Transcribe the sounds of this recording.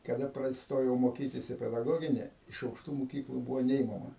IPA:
kɐˈdɐ ˈprɐt ˈstoːjɛʊ moːˈkʲiːtʲɪs iː pʲɛdɐˈɡoːɡʲɪnʲɪ ɪʃ ɐʊkˈʃtuː mʊˈkʲiːklˠuː ˈbuːʋoː ˈnʲɛɪmɐmɐ

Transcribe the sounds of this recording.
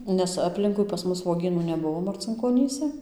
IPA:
ˈnʲɛs ɐˈpʲlʲɪŋkʊɪ pɐs ˈmʊs ʋuɔˈɡʲiːnuː nʲɛˈbʊʋoː mɐrʲt͡sʲɪŋkoːˈnʲiːsʲɛ

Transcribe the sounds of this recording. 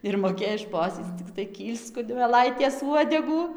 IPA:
ɪr moːˈkʲeːj ˈʃpoːsʲiːt͡s t͡sʲɪkˈtɐɪ ˈkʲiːlʲst͡s kʊnʲmʲɛˈlˠɐɪtʲeːs ˈuɔdʲɛɡuː

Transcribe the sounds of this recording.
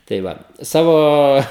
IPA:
tɐɪ ˈʋɐ ˈsɑːʋoː

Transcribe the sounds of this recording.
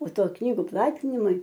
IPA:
oː ˈtoː ˈknʲiːɡʊ ˈplˠɑːtʲɪnʲɪmʊɪ

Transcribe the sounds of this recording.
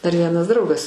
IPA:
dɐr ˈʋʲiɛnɐs ˈdrɐʊɡɐs

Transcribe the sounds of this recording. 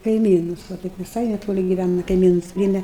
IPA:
kɐɪˈmʲiːnʊs ʋɐ ˈtɐɪp ʋʲɪˈsɐɪ nʲɛˈtoːlʲɪ ɡʲɪˈʋʲænɐ kɐɪˈmʲiːnʊs ˈpʲrʲiːɛmʲɛ

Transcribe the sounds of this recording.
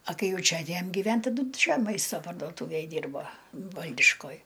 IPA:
ɐ ˈkɐɪ ˈjɛʊ ˈt͡ʃʲɛ ɐtʲˈeːjɛm ɡʲɪˈʋʲɛn tɐˈdʊ ˈt͡ʃʲɛ ˈmɐɪstɐ pɐrdoːˈtuːʋʲeːj ˈdʲiːrboː ˈʋɐlʲdʲɪʃkoːj

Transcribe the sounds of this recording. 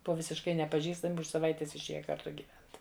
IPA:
ˈbʊʋɐ ʋʲɪsʲɪʃˈkɐɪ nʲɛpɐˈʒʲiːstɐmʲɪ ʊʃ sɐˈʋɐɪtʲeːs ɪʃʲˈeːjɛ kɐrˈtʊ ɡʲiːˈʋʲɛnt

